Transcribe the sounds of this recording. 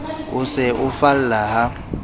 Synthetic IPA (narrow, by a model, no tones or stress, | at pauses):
ʊsɪʔʊfal̩laɦa